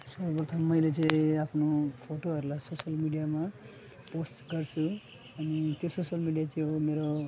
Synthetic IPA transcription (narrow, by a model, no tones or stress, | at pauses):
sʌbʌprʌt̪ʰʌmːʌjlet͡sʌ̃iapʰnopʰoʈoɦʌɾulajsosʌlmiɖijama | posʈɡʌrt͡sʰu | ʌnit̪jososʌlmiɖijat͡siomeɾo